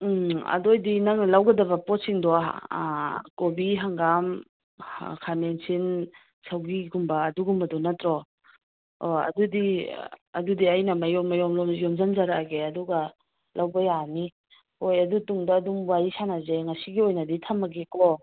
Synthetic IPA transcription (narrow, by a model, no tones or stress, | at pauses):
ɐ̰dojdinɐŋnɐlawɡɐdɐβɐpɔt̚siŋdɔaa̰ | kobiɦaŋɡam | kʰamensin | sawɡiɡumbɐːduɡumbɐdɔnɐtɾɔ | ɐ̰dudiɐ̰dudiɐjnɐmɐjɔmːɐjɔmlɔmjɔmzanzaɾaɡeɐduɡɐ | lawbɐjani | hojɐdutuŋdɐːdumbwajisanazeŋɐsiɡiojnɐditʰɐmːɐɡikɔ